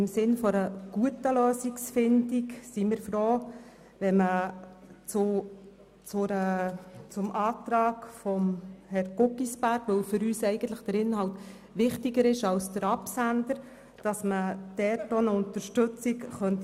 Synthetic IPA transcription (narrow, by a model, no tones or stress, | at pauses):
ɪmsɪnfɔɾəɡ̥uətəløːsiksfɪndiksimɪːɾfɾoː | ʋɛmə | t͡sʊ | t͡sʊɾət͡sʊmʔɑːtɾɑːkfɔmhɛɾɡ̥ʊkːisb̥æɾɡ̥ʋɵwfʏɾyːsɛɪɡəntləχd̥əɾɪnhɑwt | ʋɪχtiɡəɾɪʃɑlsd̥əɾɑpsændəɾ | d̥ɑsməd̥ɛtonəʊnt̪əɾʃtɵt͡sikχœnt